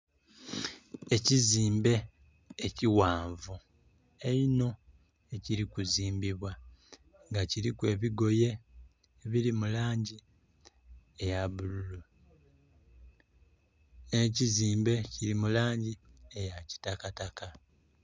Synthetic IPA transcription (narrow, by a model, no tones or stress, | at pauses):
e̞ciziːmbe̞ː | ciwaːɱvu | e̞ino̞ | e̞ciɾikuziːmbiβwa | ŋɡaciɾikwe̞ːβiɡo̞je̞ː | βiɾimulaːɲɟi | ejaβululu | neciziːmbe̞ciɾimulaːɲɟiejaci̥takataka